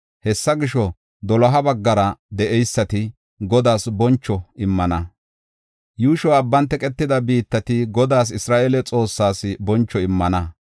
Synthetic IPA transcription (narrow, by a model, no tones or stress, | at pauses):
hɛsːɐɡɪʃɔ | d̪ɔlɐɦɐbɐɡːɐɾɐd̪ɛʔɛjsːɐt̪ɪ | ɡɔd̪aːsbɔnt͡ʃːɔɪmːɐnɐ | juːʃɔɐbːɐnt̪ɛkʼɛt̪ːɪd̪ɐbiːt̪ːɐt̪ɪɡɔd̪aːs̬ɪsɾaːʔelɛt͡sʼo̞ːsːaːsbɔnt͡ʃːɔɪmːɐnɐ